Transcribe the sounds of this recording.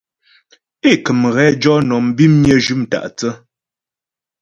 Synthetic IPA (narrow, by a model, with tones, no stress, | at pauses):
e˦˨kə˨mɣɛ˨˦d͡ʒɔ˦nɔ˨m̩˦bi˦m˦ɲjə˦d͡ʒʉ˦m˨ta̰˨ʔt͡sə˦